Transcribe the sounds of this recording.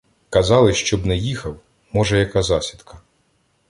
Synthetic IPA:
kɐzɑlˠɪʃt͡ʃɔbnɛjixɐw | mɔʒɛjɐkɑzɑsʲid̪̥kʰɐ

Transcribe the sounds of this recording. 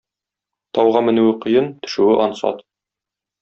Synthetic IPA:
t̪ɒwʁɑmɘ̆nʉwɘqɤ̆jɤnt̪ɵ̥̆ʃʉwɘʔɒnsɑ̰t̪

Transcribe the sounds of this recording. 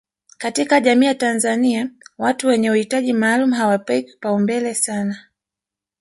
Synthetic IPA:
katikaʄamiːjatanzaniawatuwɛɲɛuhitaʄimaːlumuɦawapaiku̥paumbɛlɛsana

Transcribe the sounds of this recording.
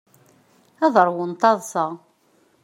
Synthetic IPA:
æðˤəɾˤwənt̪ˤɑðˤsəʁ

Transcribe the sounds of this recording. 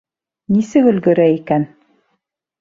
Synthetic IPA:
nisɘkɵ̆lɡɵ̆ɾæikæn

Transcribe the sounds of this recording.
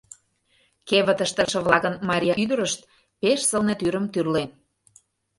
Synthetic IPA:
keβə̆t̪ə̆ʃt̪ə̆ʃə̆βlˠɑkə̆nmɑɾʲijɑʔyd̪əɾəʃt̪̚ | peʃsə̆lnet̪yɾə̆mt̪yrlen

